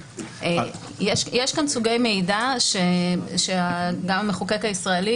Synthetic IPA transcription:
jeʃjeʃɡansuɡe̞jme̞idaʃeʃeaɡamameχukekaisʁaeli

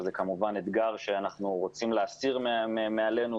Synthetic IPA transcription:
zekamuvaned̪ɡaʁʃe̞anaχnuʁo̞t͡simleasiʁmmemeale̞nu

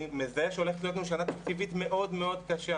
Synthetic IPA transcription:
mezeʃeo̞le̞χet̪lio̞t̪nuʃ̬anat̪akt͡sivit̪me̞ʔo̞dmeo̞d̪kaʃa

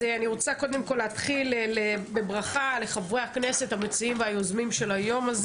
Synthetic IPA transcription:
eaniʁo̞t͡sakod̪e̞mko̞lːehat̪χilelebe̞bʁaχale̞χavʁeakne̞se̞t̪hamet͡siimveajo̞zmimʃe̞lajo̞maz

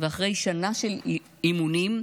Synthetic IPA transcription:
veaχʁe̞jʃanaʃe̞l | imunim

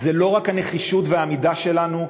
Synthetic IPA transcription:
zelo̞ʁakhane̞χiʃut̪veamidaʃe̞lanu

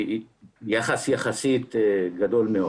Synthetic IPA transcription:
jaχasjaχasit̪ɡad̪o̞lmeo

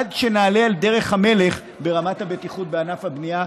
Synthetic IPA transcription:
dʃenaːle̞alde̞ʁe̞χhame̞le̞χ | be̞ʁamathabe̞tiχut̚beanafhabnia

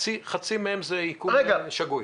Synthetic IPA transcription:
t͡siχat͡simehemzeikuʁeɡaʃaɡuj

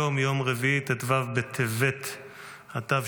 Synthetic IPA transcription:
omjo̞mʁeviit̪et̪vavbet̪ʰevet̪ | at̪av

